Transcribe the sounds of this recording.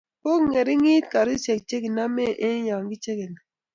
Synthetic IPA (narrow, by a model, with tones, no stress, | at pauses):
ko˦kŋe˨ɾɪ˦ŋi˦t̪̚ka˨ɾi˦t͡ʃe˨k̚t͡ʃe˦ki˨na˦me˦ʔe˦ja˨ŋɡi˦t͡ʃe˦ki˨na˨